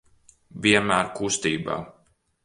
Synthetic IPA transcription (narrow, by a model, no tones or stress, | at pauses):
vʲiɛmæːɾkust̪iːba̰ː